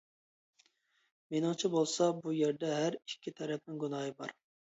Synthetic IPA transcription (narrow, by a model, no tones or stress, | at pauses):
menɪŋt͡ʃʰɛbolˠsɑbujeɾd̪ɛɦæɾikʲʰːit̪ʰæɾɛp̚nɪŋɡunɑːjɨbɑ̰ɾ